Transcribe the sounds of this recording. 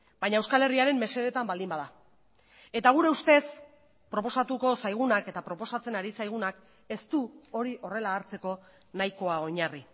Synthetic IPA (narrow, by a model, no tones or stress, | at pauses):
baɲaewskale̞riaɾe̞mːe̞se̞ð̞e̞t̪ambald̪imbaða | e̞t̪aɣ̞uɾe̞ust̪e̞s | pɾo̞po̞sat̪uko̞sajɣ̞unake̞t̪apɾo̞po̞sat͡se̞naɾisajɣ̞unak | e̞st̪uo̞ɾiʔo̞re̞laːɾt͡se̞ko̞ | najko̞ao̞ɲari